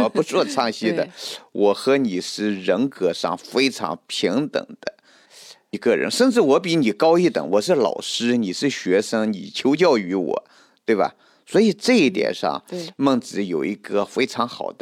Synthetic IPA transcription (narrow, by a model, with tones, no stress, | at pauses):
pu˧˥t͡swɔ˥˧ʈ͡ʂʰɑ˥˧ŋɕi˥d̪ə˨wʔɔ˨˩xɤ˧˥ni˨˩ʂɻ̩˥˩ɻə˧˥nkɤ˧˥ʂɑ̰˥˧ŋfe˥ɪʈ͡ʂʰɑ̰˧˥ŋpʰi˧˥ŋt̪ə̰˨˩ŋd̪̥ə˦ | i˧˥ɡə˧ɻə̰˧˥nʂə˥˧nʈ͡ʂɻ̩˥˩wɔ˧˥p̬i˧˥ni˨˩kɑ˥ʊi˥˩t̪ə̰˨˧˩ŋwɔ˨˩ʂ̬ɻ̩˥˩lɑ̰˨˩ʊʂɻ̩˥ni˨˩ʂɻ̩˥˩ɕɥɛ˧˥ʂɤ˥ŋnḭ˨˩t͡ɕʰjo˧˥ʊt͡ɕjɑ˥˩ʊy˧˥wɔ̰˨˩˦ | t̪we˥˩bɐ̰˩ | swɔ˧˥i˨˩ʈ͡ʂɤ˥˧i˥˩t̪jɛ̰˨˩nʂɑ̰˥˩ŋmə˥˩ŋt͡sɹ̩˧˥jo˨˩ʊi˧˥ɡə˧fe˥ɪʈ͡ʂʰɑ˧˥ŋxɑ˨˩ʊd̪̥ə˦